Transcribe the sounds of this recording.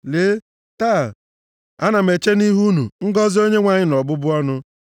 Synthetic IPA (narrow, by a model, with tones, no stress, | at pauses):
leː˨˦ | taː˦˨ | a˦na˨me˨t͡ʃe˦ni˦ɦu˦nṵ˨ŋ̩˦ɡɔ˦zi˦o˦ɲe˦ŋʷa˨ɲɪ˦nɔ˨bʊ˦bʊ˦ɔ˦nʊ˦